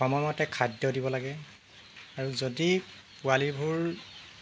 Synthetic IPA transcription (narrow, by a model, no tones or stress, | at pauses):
ɔmɔmɔtɛkʰadjɔdibɔlaɡɛ | aɹuzodi | pualibʱuɹ